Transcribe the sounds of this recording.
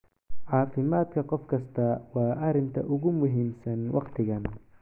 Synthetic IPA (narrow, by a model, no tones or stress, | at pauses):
ʕɑːfɪmaːd̪kʰɐqɔfkʰɐst̪ʰɐwɑːʔɐɾɪnt̪ʰɐ̰ʔʊɣʊmʊɦiːmsɐnwʔɑqt̪ʰɪɣɐn